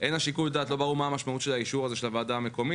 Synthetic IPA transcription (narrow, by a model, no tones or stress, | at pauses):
ʔe̞naʃikujd̪aːt̪lo̞baʁumaːmaʃmaut̪ʃe̞laiʃuʁaze̞ʃelavaːd̪aːme̞ko̞mi